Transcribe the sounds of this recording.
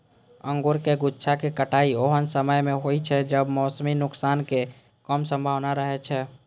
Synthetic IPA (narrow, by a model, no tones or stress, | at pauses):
ə̃ŋɡuɾkeɡutːt͡ʃʰakekəʈaioɦənsəməjmeɦojt͡ʃʰɛd͡ʒəbmɔːsminʊksanke | kəmsə̃mbʱawnaɾəɦɛt͡ʃʰɛ